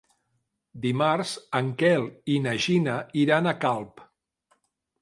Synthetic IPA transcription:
d̪imaɾzəŋkɛlinəʒinəiɾanəkalˠp

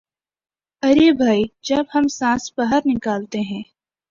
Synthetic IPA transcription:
ɐɾebʱaːid͡ʒɐbɦɐmsãːsbɐɦəɾnɪkaːlt̪eɦɛ̃ː

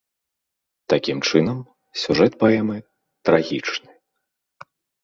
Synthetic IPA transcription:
t̪akʲimt͡ʂɨnɐm | sʲuʐɛt̪̚paɛmɨ | t̪ɾaɣʲit͡ʂnɨ

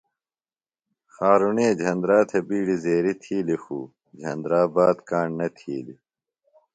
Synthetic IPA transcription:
xaːɾuneːd͡ʑʱɐnd̪ɾaːt̪ʰebiːɽizeːɾit̪ʰiːlifuː | d͡ʑʱɐ̰nd̪ɾaːbaːd̪kaːɳnɐt̪ʰiːli

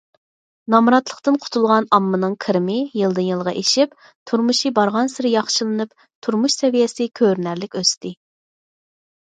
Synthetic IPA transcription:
nɑmɾɑt̪lˠəχt̪ɨnqʰʊ̥t̪ʰulˠʁɑnɑmːɨnɨŋkʰɨɾmɪjɨlˠd̪ɨnjilˠʁɑʔeʃip | t̪ʰuɾmuʃibɑɾʁɑnsɨɾɪjɑχʃɨlˠɨnɨp | t̪ʰuɾmuʃsɛvijɛsɪkʲʰøɾnæɾlɪkʲøst̪ɪ

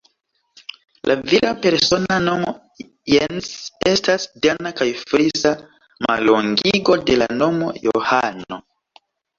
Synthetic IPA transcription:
lʔaviɾape̞ɾso̞nanomo | jense̞stasdanakajfɾisa | ma̰loŋɡiɡo̞de̞la̰no̞mo̞jo̰hano̞̰

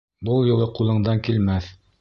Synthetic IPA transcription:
bɤlˠjŭlˠɤqulˠɤ̆ɴd̪ɑŋkilmæθ

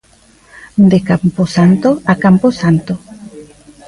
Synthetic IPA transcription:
d̪ekamposant̪oakamposant̪o

